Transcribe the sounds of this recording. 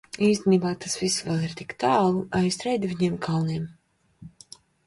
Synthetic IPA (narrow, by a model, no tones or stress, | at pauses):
iːs̬t̪ʲeniːbaːt̪ʰasvisvɛlˠiɾt̪ikt̪aːlˠuajst̪ɾɛjd̪viɲeɛmkʰalniɛm